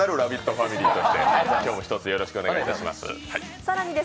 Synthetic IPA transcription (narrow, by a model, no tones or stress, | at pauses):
aɾɯ̟ɾabʲit̪ːo̞ɸamʲiɾʲiːt̪o̞ɕi̥t̪e̞akʲoːmo̞çi̥t̪o̞t͡sɨjo̞ɾo̞ɕi̥kɯo̞neɡiit̪aɕima̰sɨ̰hai | saɾaɲ̟id̪e